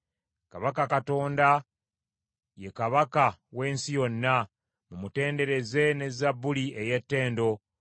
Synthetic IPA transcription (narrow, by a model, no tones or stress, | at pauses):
kaβakakato̞ːnda | je̞kaβakawe̞ːnsijo̞nːa | mumute̞ːnde̞ɾe̞ze̞ne̞zabːulie̞je̞tːe̞ːndo̞